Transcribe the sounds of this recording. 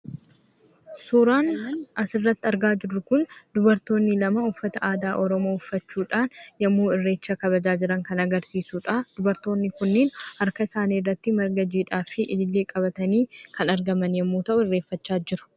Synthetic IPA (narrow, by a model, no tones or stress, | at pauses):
suːɾaːnnɐsɪrːɐt̪ːɪɐɾɡaːd͡ʒɪrːʊkʊnd̪ʊbɐɾt̪o̞ːnːɪlɐmɐʊfːɐt̪ɐʔaːd̪aːʔɔɾɔmoːʊfːɐt͡ʃːuːᶑaːnjɐmːuːɪrːe̞ːt͡ʃːɐkɐβɐd͡ʒaːd͡ʒɪɾɐŋkɐnɐɡɐɾsiːsuːᶑad̪̥ʊbɐɾt̪o̞ːnːɪkʊnːeːnhɐɾkɐɪsaːniːrːɐt̪ːɪmɐɾɡɐd͡ʒiːᶑaːfɪʔɪlɪlːeːkʼɐbɐt̪ɐniːkʰɐnɐɾɡɐmɐnjɐmːuːt̪ɐʔʊɪrːe̞ːfːɐt͡ʃːaːd͡ʒɪɾʊ̥